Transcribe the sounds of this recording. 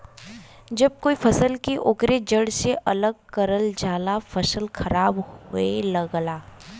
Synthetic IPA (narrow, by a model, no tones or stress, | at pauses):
d͡ʒɐb̚koːifʰɐsəlkeʔʊkɾed͡ʒəɽseʔɐləɡ̚kɐɾəld͡ʒaːlafʰəsəlxʰɐɾaːbhʊelɐɡlaː